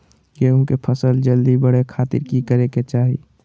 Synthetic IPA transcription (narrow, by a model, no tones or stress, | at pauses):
ɡeːũkepʰəsəld͡ʒəld̪ibəɽekʰaːt̪ɪ̰ɾkikəɾeket͡ʃaːɦḭ